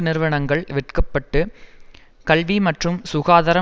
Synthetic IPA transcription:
nɪɾɯʋɐɳɐŋɡɐɭʋɪʈkɐpːɐʈːɯ | kɐlʋimɐʈrɯmsʊɣaːðɐɾɐ

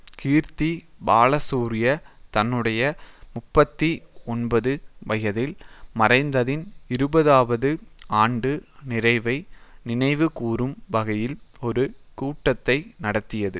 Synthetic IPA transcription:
kiːɾt̪ibaːlɐsuːɾɪjɐt̪ɐnːɯɽɐjɐmʊpːɐt̪ːiɔnbɐðɯʋɐjɐðɪlmɐrɐɪnd̪ɐðɪnɪɾɯbɐðaːʋɐðɯaːɳɖɯnɪɾɐɪʋɐɪnɪnɐɪʋɯkuːrɯmʋɐɣɐjɪlɔɾɯkuːʈːɐt̪ːɐɪnɐɽɐt̪ːɪjɐðɯ

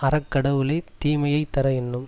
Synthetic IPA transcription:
ɐɾɐkːɐɽɐʋɯlɐɪt̪iːmɐjɐɪt̪ːɐɾɐɛnːɯm

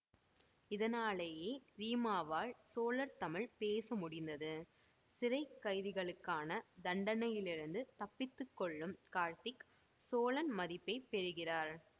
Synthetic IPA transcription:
ɪðɐnaːɭeːjeːɾiːmaːʋaːɭsoːlɐɾt̪ɐmɪɭpeːsɐmʊɽɪnd̪ɐðɯ | sɪrɐɪkːɐɪðɪɣɐɭɯkːaːnɐd̪ɐɳɖɐnɐjɪlɪɾɯnd̪ɯt̪ɐpːɪt̪ːɯkːɔɭːɯmkaːɾt̪ɪk | soːlɐnmɐðɪpːɐɪpːɛɾɯɣɪraːɾ

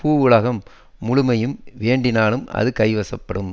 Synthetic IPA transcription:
puːʊɭɐɣɐmː | ʊɻʊmɐjɯmʋeːɳɖɪnaːɭɯmɐ̰ðɯkɐɪʋɐsɐpːɐɽɯm

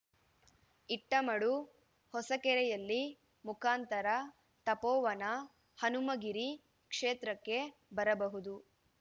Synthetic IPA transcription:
iʈːɐmɐɽu | hɔsɐkɛɾɛjɐlːi | mukʰaːnt̪ɐɾɐ | t̪ɐpɔːʋɐnɐ | hɐnumɐɡiɾi | kʂeːt̪ɾɐkːe̞bɐɾɐbɐɦud̪u

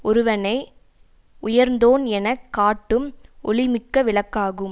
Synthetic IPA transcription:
ɔɾɯʋɐnɐɪ | ʊjɐɾnd̪oːnɛnɐkːaːʈːɯmʔɔ̰ɭɪmɪkːɐʋɪɭɐkːaːɣɯm

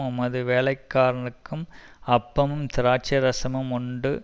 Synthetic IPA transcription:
ʊmɐðɯʋeːlɐɪkːaːɾɐɳɯkːɯmɐpːɐmɯmt̪ɪɾaːt͡ʃɐɾɐsɐmɯmʊɳɖɯ

